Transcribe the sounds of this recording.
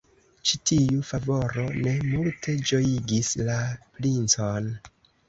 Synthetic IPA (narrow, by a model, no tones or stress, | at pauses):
t͡ʃitʰiufavo̞ɾo̞ne̞multʰe̞d͡ʒo̞jiɡislapɾint͡son